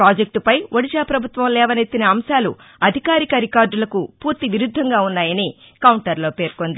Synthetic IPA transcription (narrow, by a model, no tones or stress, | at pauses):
ɾaːd͡ʒek̚ʈpɐjʋoɽid͡ʒaːpɾɐbʱut̪ʋɐmlɛːʋɐnet̪ːinɐːmʃaːlṵ | ɐd̪ʱikaːɾikɐɾikaːɾɖulɐkupuːɾt̪iʋiɾud̪ʱːɐŋɡaːunːaːjɐni | kɐwuɳʈɐɾlo̞ːpe̞ːɾkond̪i